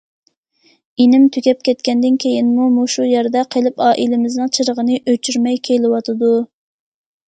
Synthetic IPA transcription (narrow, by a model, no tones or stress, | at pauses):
enɪmt̪ʰykʲɛp̚kʲʰɛt̪kʲɛnd̪ɪnkʲʰejinmumuʃujɛɾd̪ɛqʰelˠɪpɑːʔilɪmɪznɨŋt͡ʃʰɨɾəʁənɨʔøt͡ʃʰyɾmɛjkʲʰelˠɪwɑt̪ʰɨd̪u